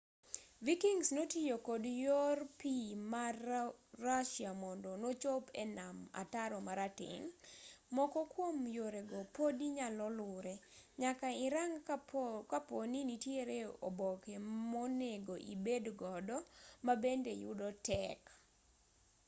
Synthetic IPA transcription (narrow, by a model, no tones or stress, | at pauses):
vikiŋsnotijokodjorpimarː | aʃiamɔndɔnot͡ʃopɛnama̰taɾɔmaɾatɪ̰ŋmɔkɔkwomjoɾeɡɔpodiɲalɔlʊɾɛɲakaɪɾaŋ | kaponinitjeɾeo̰bɔkemɔneɡoʔḭbedɡɔdɔmabendejʊ̰dɔtɛk